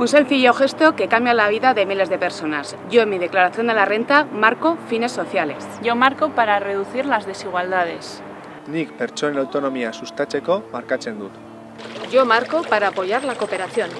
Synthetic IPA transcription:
unse̞lfiʝoxe̞st̪o̞ke̞kambjalaβ̞iðaðe̞mile̞zðe̞pe̞ɾso̞naz | ʝo̞emːiðe̞klaɾaθjo̞nd̪e̞lare̞nt̪amaɾko̞fine̞sːo̞θjale̞sʝo̞maɾko̞paɾare̞ð̞uθiɾlazðe̞siɣwald̪að̞e̞s | nikpeɾt͡ʃoenawt̪o̞no̞miasust̪at͡ʃe̞ko̞maɾkat͡se̞nd̪ut̪ | ɟ͡ʝo̞maɾko̞paɾaːpo̞ʝaɾlako̞pe̞ɾaθjo̞n

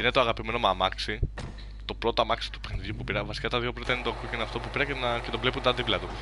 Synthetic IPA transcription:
ine̞t̪oɐɣɐpime̞nomɐmɐksi | t̪o̞pɾo̞t̪oɐmɐksi̥t̪u̥pexniðʝupupiɾɐvɐsi̥kɐt̪ɐðʝo̞pɾot̪ɐinet̪oɐkuceineɐft̪o̞pupiɾɐcenɐce̞t̪ovle̞punt̪ɐðiplɐt̪u

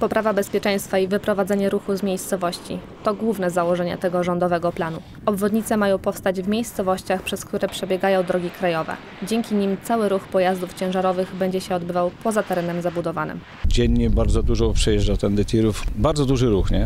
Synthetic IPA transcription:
pɔpɾʔavabɛspʲjɛt͡ʂɛj̃st̪faivɘpɾɔvad̪zɛɲɛɾuxuzmʲjejst̪sɔvɔɕt͡ɕḭ | t̪ɔɡwuvnɛzawɔʐɛɲɛ̰t̪ɛɡɔʐɔnd̪ɔvɛɡɔplan̪u | ɔbvɔd̪ɲit̪sɛmajɔ̃w̃pɔfst̪ad͡ʑvmʲjejst̪sɔvɔɕt͡ɕaxpʂɛskt̪uɾɛpʂɛbʲjɛɡajɔ̃w̃d̪ɾɔɡʲikɾajɔvɛ̰ | d͡ʑɛŋʲkʲiɲimt̪sawɘɾuxpɔjazd̪uft͡ɕɛ̃w̃ʐaɾɔvɘɣbɛɲd͡ʑɛɕɛɔd̪bɘvawpɔzat̪ɛɾɛnɛmzabud̪ɔvanɘ̰m | d͡ʑɛɲːɛbaɾd̪zɔd̪uʐɔpʂɛjɛʐawt̪ɛnd̪ɛt̪ʲiɾufbaɾd̪zɔd̪uʐɘɾuxɲɛ

